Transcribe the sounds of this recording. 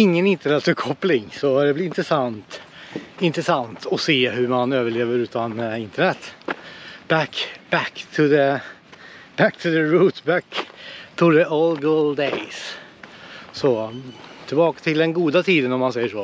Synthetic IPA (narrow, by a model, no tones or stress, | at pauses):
ɪŋːənɪnt̪əɳɛt̪fəkʰɔplɪŋsɔd̪ɛblɪɾɪnt̪ɾəsant̪ | ɪnt̪ɾəsant̪ʰɔseːɦʉmanøːvəɭeːvəɾʉːt̪anɪnt̪əɳɛt̪ː | b̥ækb̥ækt̪ʰʊðə | b̥æk̚t̪ʰʉðəɹuːt̪bækt̪ʰud̪ɛʔɔːlɡʊld̪eɪs | sɔt̪ʰɪlbɑːkḁt̪ʰɪld̪ɛnɡuːd̪at̪ʰiːd̪ənɔmansɛɪjːəʂoː